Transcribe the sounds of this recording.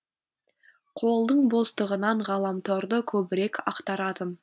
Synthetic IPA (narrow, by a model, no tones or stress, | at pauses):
qʰo̞lˠd̪əɴbo̞st̪əʁənɑɴʁɑlˠɑmt̪ʰoɾd̪əkʲʰɵbɪɾe̞kʲɑ̰qt̪ɑɾɑd̪əm